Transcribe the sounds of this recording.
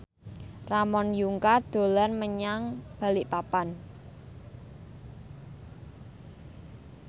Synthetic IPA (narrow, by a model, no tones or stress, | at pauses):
ramɔnjuŋkard̪̥o̤lanməɲaŋb̥ä̤lɪʔpapan